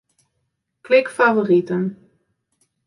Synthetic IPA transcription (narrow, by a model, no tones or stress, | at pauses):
klɪkfavoritən